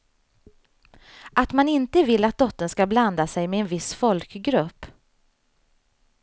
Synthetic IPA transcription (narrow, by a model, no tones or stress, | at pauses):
ʔat̪manɪnt̪əvɪlːat̪̚d̪ɔt̪ːənskabland̪asɛjmɛɛnvɪsfɔlkɡɾɵpː